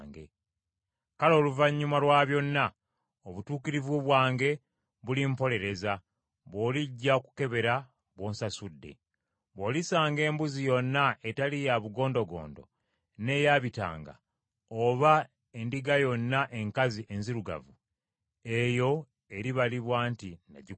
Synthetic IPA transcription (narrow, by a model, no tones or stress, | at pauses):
ŋɡḛ | kalo̞ːluvaɲːumalwaːβjo̞nːa | oβutuːkiɾivuβwaːŋɡe̞ | βulimpo̞le̞ɾe̞za | βo̞ːliɟːaoku̥ke̞βe̞ɾa | βwo̞ːnsasudːe̞̰ | βo̞ːlisaːŋɡe̞ːmbuzijo̞nːaetalijaβuɡo̞ːndo̞ɡo̰ːndo̞̰ | ne̞jaβita̰ːŋɡa̰ | oβa | e̞ndiɡajo̞nːaʔe̞ŋkaziʔe̞nziɾuɡa̰vu | e̞jo̞ | eɾiβaliβwaːntina̰ɟi